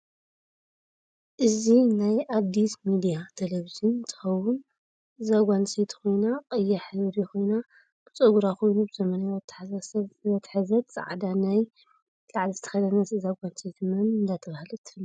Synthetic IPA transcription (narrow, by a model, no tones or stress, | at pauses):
ʔɨzinajʔad̪ːismid̪ijat̪ʰɐlɐβizɨnt̪ʰɨ̥xɐwʊn | ɨzaɡʷanset̪kʰo̞jnaqʼɐjːaħɨβɾixʰo̞jna | b̥ɨt͡sʼɐɡuɾaxo̞jnubɨzɐmɐnajt̪ʰːɐ̥ħasasɐɐt̪ʰħɨzɐt̪t͡sʼa̰ʕd̪anaj | laʕlizɨt̪ʰɐ̥xɐd̪ɐnɐzzaɡʷanset̪ʰmɐnɨnd̪at̪ʰɐβahɨlɨt̪ʰːɨ̥fɨlː